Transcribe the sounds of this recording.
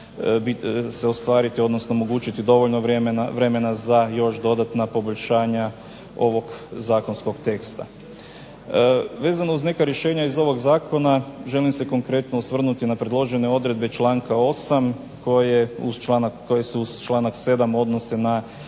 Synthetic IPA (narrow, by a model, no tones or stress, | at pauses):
biseost̪ʋaːɾit̪iod̪nosnoomo̞ɡuːt͡ʃit̪id̪o̞ʋoʎnoʋmnʋɾe̞me̞nazajo̞ʃd̪o̞d̪at̪napo̞boʎʲʃaːɲa | o̞ʋo̞ɡzaːko̞nsko̞ɡt̪e̞kst̪a̰ | ʋe̞ːzanouzne̞kaɾje̞ʃe̞ːɲaizo̞ʋo̞ɡzaːko̞naʒe̞limse̞ko̞ŋkɾe̞t̪nousʋr̩nut̪inapɾed̪lˠo̞ʒe̞ne̞o̞d̪ɾe̞d̪̚be̞t͡ʃlaːŋkao̞sam | ko̞jeut͡ʃlanakːojeseuzt͡ʃlˠaːnakse̞d̪amo̞d̪no̞se̞na